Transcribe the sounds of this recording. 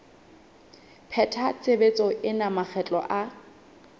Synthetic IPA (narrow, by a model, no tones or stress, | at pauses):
pʰɛtʰat͡sʼebet͡sʼɔɪnamak͡xʰɛt͡ɬʼɔ̰ʔa